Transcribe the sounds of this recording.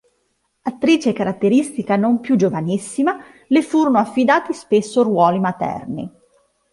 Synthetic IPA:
at̪ːɾiːt͡ʃekaɾat̪ːeɾist̪ikanompjud͡ʒovanisːima | lefuːɾonoafːid̪aːt̪ispesːorwɔːlimat̪ɛ̰rnḭ

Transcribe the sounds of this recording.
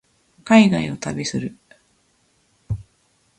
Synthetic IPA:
kaiɡaio̞t̪abʲisɨɾɯ̟

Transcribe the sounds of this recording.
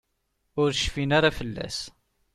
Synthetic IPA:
ʊɾʃfinaɾafəlːæ̰s

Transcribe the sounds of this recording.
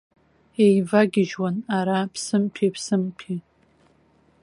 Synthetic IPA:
ejvaɡʲɪʒwanaɾapʰsɨmpʰipʰsɨmpʰi

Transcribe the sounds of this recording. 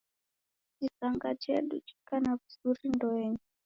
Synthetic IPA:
t͡ʃisaŋɡat͡ʃḛɗṵt͡ʃi̥kanaβuzurindoeɲu

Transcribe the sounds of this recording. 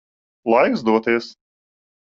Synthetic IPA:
lˠajɡzd̪uɔt̪ʲiɛs

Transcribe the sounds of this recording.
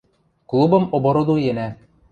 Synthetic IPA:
klˠubɤ̆mobŏɾod̪ujenæ

